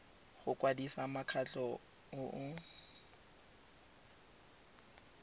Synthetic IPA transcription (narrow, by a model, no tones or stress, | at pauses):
χʊkʼwadisamakʰat͡ɬɔ | ʊʔʊ